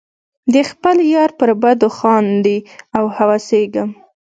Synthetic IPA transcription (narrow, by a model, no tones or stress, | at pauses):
d̪əxpəljɑɾpəɾbad̪oxɑnd̪iawhawɑseɡəm